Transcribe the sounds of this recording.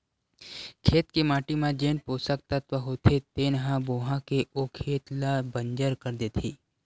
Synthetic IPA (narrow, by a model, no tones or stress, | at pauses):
kʰeːt̪kemaːʈimãd͡ʒeːnpoːsək̚t̪ɐt̪ʋəɦoːt̪ʰet̪enəɦãboːɦãkeʔokʰeːt̪labəɲd͡ʒəɾkəɾd̪eːt̪ʰiː